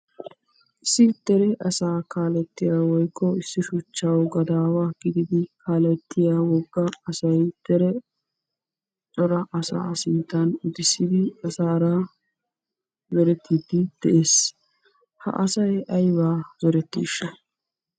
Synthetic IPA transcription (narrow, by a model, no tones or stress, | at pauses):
ɪsːɪt̪ːɛɾɛʔɐsaːkaːlɛt̪ːɪjaːwɔjkːɔɪsːɪʃʊt͡ʃːawɡɐd̪aːwaːɡ̥ɪd̪ɪd̪ɪkʰaːlɛt̪ːɪjaːwɔɡːɐːsɐjt̪ɛɾɛ | t͡sʼɔɾɐʔɐsa̰ːsɪnt̪ːɐnʊd̪ɪsːɪd̪ɪɐsaːɾa | zɛɾɛt̪ːid̪ɪd̪̥ɛʔeːs | hɐ̰ʔɐsɐjʔɐjbaːzɔɾɛt̪ːḭːʃːɐ